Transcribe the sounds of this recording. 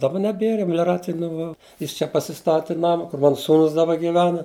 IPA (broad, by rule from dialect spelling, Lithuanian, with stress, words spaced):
dɐˈbɐ nʲɛˈbʲiɛrɐ mʲɛlʲɪˈrɑːt͡sʲɪjɛ nʊˈʋɐ ˈjɪs t͡ʃʲɛ pɐsʲɪˈstɑːtʲɪ ˈnɑːmɐ kʊr ˈmɑːnɐ ˈsuːnʊs dɐˈbɐ ɡʲɪˈʋʲæːnɐ